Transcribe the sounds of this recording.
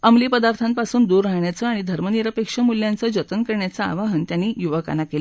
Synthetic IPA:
əmliːpəd̪aɾt̪ʰampasuːnd̪uːɾːaɦɳjat͡səaɽ̃id̪ʱəɾməniɾəpekʂəmuljãnt͡səd͡ʑət̪ənkəɾɳjat͡saa̰ʋaɦənt̪janːiːjuʋəka̰nːakele

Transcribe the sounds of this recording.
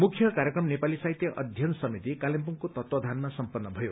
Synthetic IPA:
mukʰjʌkaɾjekrʌmnepalisait̪jʌʔʌ̰d̪ʱjʌnsʌmit̪ikalempuŋkot̪ʌt̪wʌd̪ʱanmasʌmpʌnːʌbʱʌjo

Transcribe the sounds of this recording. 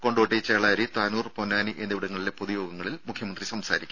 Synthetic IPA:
ko̞ɳɖoːʈːit͡ɕeːɭaːɾit̪aːnuːrponːaːniʔend̪iʋiɽɐŋːɐɭile̞poðujo̞ːɡɐŋːɐɭilmukʰjɐmɐnd̪risɐmsaːɾikʲːu

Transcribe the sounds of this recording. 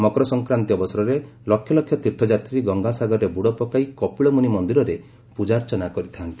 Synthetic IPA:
mɔkɾɔsɔŋkɾant̪iɔbɔsɔɾɔɾe | lɔkʰjɔlɔkʰjɔt̪iɾt̪ʰɔd͡ʒat̪ɾiɡɔŋɡasaɡɔɾɔɾebuɽɔpɔkaikɔpiɭɔmunimɔnd̪iɾɔɾe | pud͡ʒaɾt͡ʃɔnakɔɾit̪ʰant̪i̥

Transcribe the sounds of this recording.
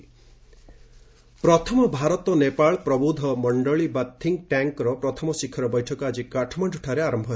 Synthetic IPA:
pɾɔt̪ʰɔmɔbʱaɾɔt̪ɔnepaɭɔpɾɔbud̪ʱɔmɔɳɖɔɭibat̪ʰːiŋʈaŋkɾɔpɾɔt̪ʰɔmɔsikʰːɔɾɔbɔjʈʰɔkɔad͡ʒikaʈʰɔmaʈuʈʰaɾeaɾɔmbʱɔ

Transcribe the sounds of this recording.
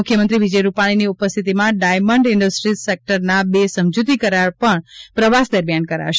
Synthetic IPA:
ʊkʰːjəmənt̪ɾiʋid͡ʒəjɾupaɽ̃iniupəst̪ʰit̪imãɖajməɳɖɪɳɖəsʈɾisek̚ʈəɾnabesəmd͡ʒut̪̬ikəɾaɭpəɳpɾəʋasd̪əɾmijankəɾa̰ʃ

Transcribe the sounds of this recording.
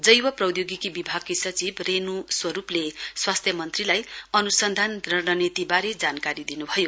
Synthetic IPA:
d͡zʌjwʌprʌwd̪joɡikibibʱaɡ̚kisʌt͡sibrenuswʌɾupleswast̪ʰjʌmʌnt̪rilajʌnusʌnd̪ʱand̪rʌɾnʌnit̪ibaɾed͡zankaɾid̪inubʱʌjo

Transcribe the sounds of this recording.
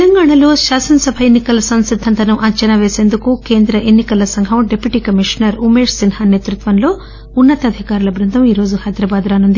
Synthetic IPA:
lɐŋɡaːɳɐlo̞ːʃaːsɐnɐsɐbʱɐenːikɐlɐsɐnsid̪ʱːɐnt̪ɐnuʔɐɲt͡ʃɐnɐʋeːse̞ːnd̪ukuke̞ːnd̪ɾɐʔenːikɐlɐsɐŋɦɐwɖepːjuʈiːkɐmiʂɐnɐɾumeːʂsinhaːneːt̪ɾut̪ʋɐnlo̞ː | unːɐt̪ɐd̪ʱikaːɾulɐbɾɐnt̪ɐmiːɾo̞ːd͡ʒuhɐjd̪ɾɐbaːd̪ɾaːnund̪i

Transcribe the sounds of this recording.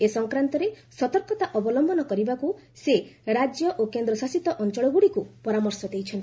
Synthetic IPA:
esɔŋkɾant̪ɔɾesɔt̪ɔɾkɔt̪aʔɔbɔlɔmbʱɔnɔkɔɾibakuseɾad͡ʒjɔʔokend̪ɾɔsasit̪ɔʔɔnt͡ʃɔɭɔɡuɽikupɔɾamɔɾsɔd̪ejt͡ʃʰɔnt̪

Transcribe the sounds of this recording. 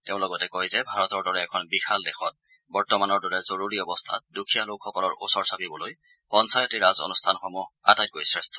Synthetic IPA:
teʊ̃lɔɡɔtɛkojzɛbʱaɹɔtɔɹdɔɹɛɛkʰɔnbixaldɛxɔt̚ | bɔɹtɔmanɔɹdɔɹɛzoɹuɹiɔbɔstʰa̰t̚dukʰijalokxɔkɔlɔɹʔo̰sɔɹsapibɔloj | pɔnsajɔtiɹazo̰nustʰanxɔmɔa̰tajt̚koɹjsɹestʰɔ̥

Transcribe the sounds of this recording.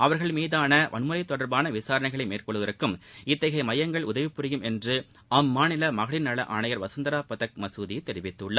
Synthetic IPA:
ɐʋɐɾɣɐɭmiːðaːnɐʋʔɐ̰nmɯɾɐɪt̪ːɔɽɐɾbaːnɐʋɪsaːɾɐɳɐɪɣɐɭɐɪmeːrkɔɭːɯʋɐɾɯkːɯmɪt̪ːɐɣɐɪmɐjɐŋɡɐɭʊðɐʋɪpːɯɾɪjɯmɛndrɯ | ɐmːaːnɪlɐmɐɣɐɭɪnːɐɭɐ̰ʔaːnɐjɐɾʋɐsɐnd̪ɐɾaːpɐðɐk̚mɐsuːðɪjt̪ːɛɾɪʋɪt̪ːɯɭːɐː

